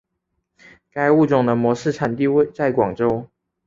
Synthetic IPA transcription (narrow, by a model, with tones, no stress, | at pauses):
ka˥ɪu˥˨ʈ͡ʂʊ˨˩ŋd̪ə˦mwɔ˧˥ʂɻ̩˥˨ʈ͡ʂʰa˨˩nt̪i˥˧we˥˧ɪt͡sa˥˩ɪkwɑ˨˩ŋʈ͡ʂo˥ʊ